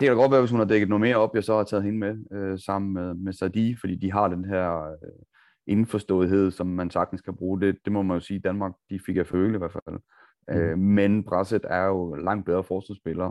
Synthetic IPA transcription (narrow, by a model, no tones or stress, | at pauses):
d̥e̝kʰæɾ̥ɑɡ̥ɒ̽d̥ʋæːɐʋes̬hunhɑ̈d̥eɡ̥ð̩nome̝ɐɒ̽b̥jɑsɒ̽hɑ̈t͡sʰɛ̰ːð̩ˠhe̝nəmeøsɑ̈m̰n̩meðˠmesæd̥ifɒd̥ḭːd̥iɦɑ̈d̥enɦæɐ̰ | ʔe̝nfɒsd̥ɔ̰̽ːðˠiɦe̝ð̞̰ˠsɒ̽mːænsɑ̈ɡ̥d̥n̩skʰæb̥ʁuːd̥e̝d̥e̝mɒ̽mænjo̝siːd̥ænmɑ̈ːɡ̥̚d̥ifeɡ̥ɐføːləiʋæɐfæl̰ | ømenb̥ʁɑsed̥æɐjo̝lɑ̈ŋ̰d̥̚b̥eðˠʁɐfɒːsʋælsb̥e̝lɐː